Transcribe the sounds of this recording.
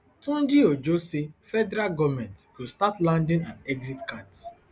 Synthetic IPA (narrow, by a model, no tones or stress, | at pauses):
tũnd͡ʒiod͡ʒosefɛdɛɾaɡɔmɛ̃ntswustatlãndĩnãnɛɡzitkat